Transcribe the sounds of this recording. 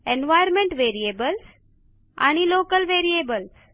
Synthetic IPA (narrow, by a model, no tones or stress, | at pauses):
enʋajəɾmẽɳʈʋeɾiebəls | a̰ñiloːkəlʋeɾiebəls